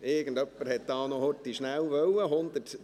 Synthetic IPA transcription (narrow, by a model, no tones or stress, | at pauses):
ɪɡənd̪œpːəɾhɛt̪d̥̪ɑːnohɔtːiʃnæwʋœwəɦʊnd̪ət